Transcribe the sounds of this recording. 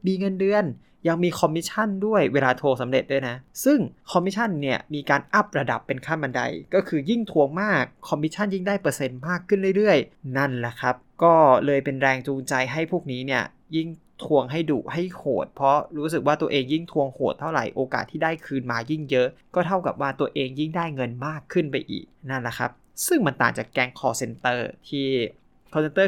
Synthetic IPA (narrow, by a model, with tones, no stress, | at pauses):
miː˧ŋɤ˧ndɯ˧ən | ja˧ŋmiː˧kʰɔ˧mːi˦˥t̪̚t͡ɕʰa˥˩ndu˥˩əjweː˧laː˧t̪ʰoː˧k̚sa˩˦mɾe˨˩t̪̚lɤː˧jna˦˥ʔsɯ˥˩ŋkʰɔ˧mːi˦˥t͡ɕʰa˥˩˨nːi˥˩ɐmiː˧kaː˧nʔa˦˥˩p̚ɾa˧da˨˩pːe˧nkʰaː˥˩nmba˧nda̰˧jkɔː˥˩kʰɯː˧ji˥˩ŋt̪ʰu˧əŋmaː˥˩kʰːɔ˧mːi˦˥t͡ɕʰa˥˩nji˥˩ŋdaː˥˩jpɤː˧se˧nmaː˥˩kʰːɯ˥˩nɾɯ˥˩jɾɯ˥˩əjna˥˩nlɛ˦˥˩kʰa˦˥p̚kɔː˥˩lɤː˧jpe˧nɾɛː˧ŋt͡ɕuː˧ŋt͡ɕa˧jɦa˥˩jpʰuː˥˩k̚niː˦˥ni˥˩ɐ | ji˥˩ŋ | t̪ʰu˧əŋɦa˥˩jdṵː˨˩ha˥˩jkʰoː˨˩t̪̚pʰɔ˦˥ɾuː˦˥s̬ɯ˨˩k̚waː˥˩t̪u˧ɐʔeː˧ŋji˥˩ŋt̪ʰu˧əŋkʰoː˨˩t̪ʰːa˥˩wɾa̰˨˩jʔoː˧ka̰ː˨˩t̪ʰːiː˥˩daː˥˩jkʰɯː˧nmaː˧ji˥˩ŋjɤ˦˥ʔkɔː˥˩t̪ʰa˥˩wka̰˨˩p̚waː˥˩t̪u˧əʔeː˧ŋji˥˩ŋdaː˥˩jŋɤ˧nmaː˥˩kʰːɯ˥˩npa˧jʔḭː˨˩k̚na˥˩nla˦˥kʰa̰˦˥p̚ | sɯ˥˩ŋma˧nt̪aː˨˩ŋt͡ɕaː˨˩kːɛː˧ŋkʰɔː˨˩se˧nt̪ɤː˥˩t̪ʰiː˥˩ | kʰɔ˧se˧˥t̪ɤː˥˩